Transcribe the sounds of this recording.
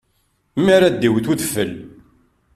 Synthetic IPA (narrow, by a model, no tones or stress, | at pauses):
maɾad̪ːiwθuθəfəl